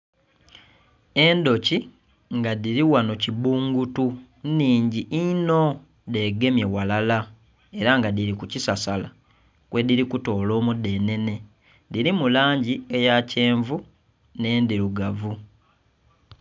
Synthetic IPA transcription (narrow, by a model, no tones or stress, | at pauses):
e̞ndo̞ci | ŋɡadiɾiwano̞cibuːŋɡutu | niːɲɟiʔino̞ | de̞ɡe̞mje̞walala | e̞ɾaŋɡadiɾikucisasala | kwʔe̞diɾikuto̞ːlo̞ːmude̞ːne̞ne̞ | diɾimulaːɲɟie̞jace̞ːɱvu | ne̞ːndiɾuɡavu